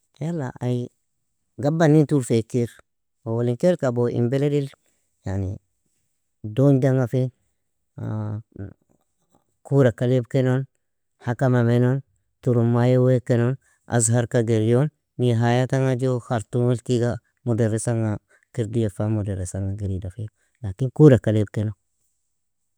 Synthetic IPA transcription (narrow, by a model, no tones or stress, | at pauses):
jala̰aj | ɡabːanːintuɾfekiɾ | owoliŋkeɾkaboḭmbeledil | janḭ | dond͡ʒaŋɡafe | kuɾakalebkenon | hakamamenon | tuɾumːajowekenon | ʔa̰zɦaɾkaɡeɾjonː | iɦajataŋad͡ʒoxaɾtunulkiɡa | mudeɾisaŋa | kiɾdijefamudeɾisaŋaɡiɾidafi | lakinkuɾakaleb̚keno